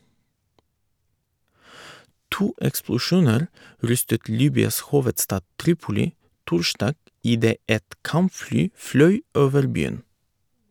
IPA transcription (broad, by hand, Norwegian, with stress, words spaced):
ˈtuː ɛksplʊˈʃuːnəɾ ˈɾʏstət ˈliːbʏɑs ˈhuːʋətˌstɑː ˈtɾiːpʊlɪ ˈtʊɾˌʃdɑːɡ ɪˈdeː ˈɛt ˈkɑmˌflyː ˈflœʏ ˈoːʋəɾ ˈbyːən